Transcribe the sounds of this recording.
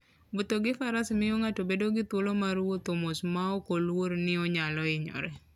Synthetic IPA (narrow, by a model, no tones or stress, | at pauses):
bot̪oɡɪfaɾasmɪjoŋatobedoɡɪt̪wolomaɾwot̪omosmaokolwoɾnɪɔɲalɔɪɲɔ̰ɾɛ